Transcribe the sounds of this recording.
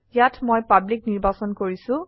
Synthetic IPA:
jatʰmojpablik̚niɹbasɔnkoɹisʊ̃

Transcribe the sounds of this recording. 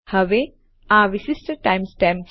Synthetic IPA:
hɐʋe | ãːʋisisʈəʈãjmsʈɛ̃m

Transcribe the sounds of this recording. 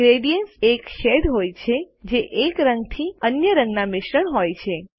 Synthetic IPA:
ɡɾeɖijənsekʃeɖɦojt͡ʃʰe | d͡ʒeʔekɾəŋɡt̪ʰiənjəɾə̃ŋɡnamɪʃɾəɳɦojt͡ʃʰe

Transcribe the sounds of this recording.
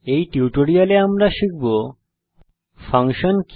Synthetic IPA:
ejʈiuʈoɾialeamɾaʃik̚bo | fʰaŋʃonk

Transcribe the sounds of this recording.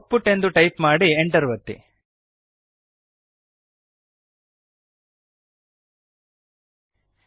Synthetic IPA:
pːuʈːe̞nd̪uʈɐjpmaːɽieɳʈɐɾʋɐt̪ːḭ

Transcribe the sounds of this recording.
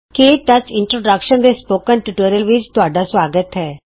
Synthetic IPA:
keːʈət͡ʃɪɳʈɾoːɖəkʃənd̪eːspoːkənʈuʈoːɾijəlʋɪt͡ʃt̪ʊaːɖaːsʋaːɡət̪ɦɛː

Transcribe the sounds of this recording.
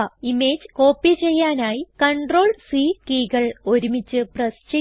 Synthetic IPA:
imeːd͡ʑkoːpːit͡ɕe̞jːaːnaːjikɐɳɖro̞ːɭswiːkiːɡɐɭo̞ɾumit͡ɕːɨprɐst͡ɕe

